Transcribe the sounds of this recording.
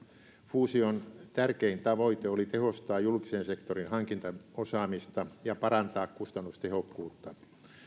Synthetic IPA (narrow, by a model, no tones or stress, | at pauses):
fuːsiont̪ærkeint̪ɑʋoit̪eolit̪ehost̪ɑːjjulkisensekt̪orinhɑŋkint̪ɑosɑːmist̪ɑjɑpɑrɑnt̪ɑːkkust̪ɑnːust̪ehokːuːt̪ːɑ